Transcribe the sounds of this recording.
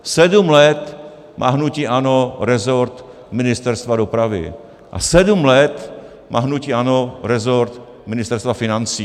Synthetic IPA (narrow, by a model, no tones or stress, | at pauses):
sɛdumlɛt̪ | mʔa̰ːɦnuciʔanoɾɛzoɾt̪ | mɪnɪst̪ɛɾst̪vadopɾavɪ̰ | ʔa̰sɛdumlɛt̪ | mʔa̰ːɦnuciʔanoɾɛzoɾt̪ | mɪnɪst̪ɛɾst̪vafɪnant͡siː